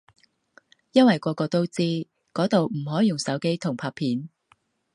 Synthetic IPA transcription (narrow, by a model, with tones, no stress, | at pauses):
jɐ˥nwɐ˨jkʷɔː˧kɔː˧t̪o˥wt͡siː˥ | kɔː˨˥t̪o˨wm̩˨˩ɦɔː˨˥jʊ˨ŋsɐ˨˥wke˥jt̪ʰʊ˨˩ŋpʰaː˧pʰiː˨˥n